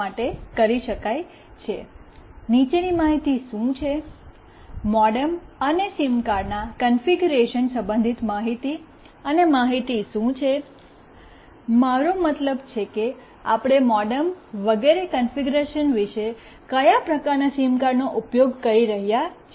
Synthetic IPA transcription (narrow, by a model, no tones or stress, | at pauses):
aʈekəɾiʃəkaj | t͡ʃʰe | nit͡ʃenimaɦit̪iʃũt͡ʃʰe | mɔɖəmənesimkaɾnakənfiɡuɾeʃənsə̃mbə̃nd̪ʱit̪maɦit̪i | ənemaɦit̪iʃũt͡ʃʰe | maɾomət̪ləbt͡ʃʰeke | a̰pɽ̃emɔɖəmʋəɡeɾekənfiɡuɾeʃənʋiʃe | kəjapɾəkaɾnasimkaɾɖnoʔupjoɡkəɾiɾəɦjat͡ʃʰ